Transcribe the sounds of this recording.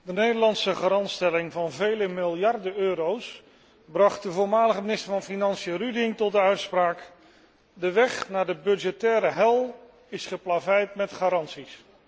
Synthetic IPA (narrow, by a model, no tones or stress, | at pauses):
dənejdəlɑnsəχaɾɑntstɛlɪŋvɑnvejləmɪlˠjɑrdəøːɾows | brɑχt̚dəvʊːɹmaːləχəmɪnɪstəɹvɑnfinɑnsiərydɪŋtɔt̚dəœɥtspraːk | dəʋɛχnaːɹdəbɵd͡ʒətɛːɾəɦɛlˠ | ɪsχəplavɪjɹtmɛtχaːɾɑntsis